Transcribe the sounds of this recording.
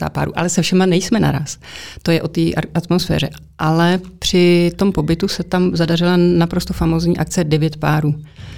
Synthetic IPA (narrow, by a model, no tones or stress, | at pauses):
a̰ːpa̰ːɾṵːʔa̰lɛsɛfʃɛmanɛjsmɛna̰ɾa̰ːst̪o̞jɛʔo̞t̪iːʔʔat̪mo̞sfɛ̰ːrɛ | ʔalɛpr̝̥ɪt̪o̞mpo̞bɪt̪usɛt̪amzadar̝ɪlanapɾo̞st̪ofamo̞ːzɲiːʔak̚t͡sɛdɛvjɛt̪paːɾuː